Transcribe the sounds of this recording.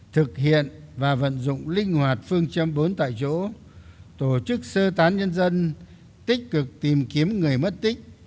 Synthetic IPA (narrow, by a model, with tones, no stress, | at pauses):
t̪ʰɨ˨˩k̚ɦḭ˧˨ənvaː˨˩və̰˧˨nzʊ̰˧˨ŋ͡mlï˧ŋ̟hwaː˨˩t̚fɨ˧əŋt͡ɕə˧mɓo˨˦nt̪a̰ː˧˨jt͡ɕo̰˧˥ | t̪o˧˩t͡ɕɨ˦˥k̚səː˧t̪aː˨˦nɲə˧nzə˧n | t̪ï˦˥k̟̚kɨ˨˩k̚t̪i˨˩mki˨˦əmŋɨ˨˩əjmə˦˥t̚t̪ï˦˥k̟̚